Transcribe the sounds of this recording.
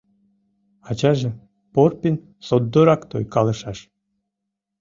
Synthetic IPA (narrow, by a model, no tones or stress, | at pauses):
ɑt͡ɕɑʒĕ | porpʲin | sod̪ːoɾɑkt̪ojkɑlˠəʃɑʃ